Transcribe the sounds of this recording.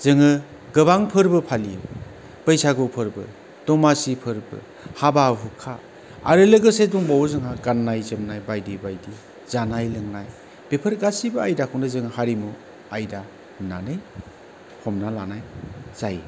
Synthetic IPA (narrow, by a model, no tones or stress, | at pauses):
z̥ɯŋɯ | ɡɯbaŋpʰɯɾbɯpʰali | b̥əjsaɡopʰɯɾbɯ | d̥ɔmasipʰɯɾbɯ̰ | hababukʰa | a̰ɾɯlɯɡɯseduŋbawzɯŋaɡanːajzɯmnajbajdibajdi | z̥anajlɯŋnaj | b̥epʰɯɾɡasibɯajdakʰuŋdɯzɯŋɯhaɾimu | ajda | hɯmnanɯj | hɔmnalanajz̥aj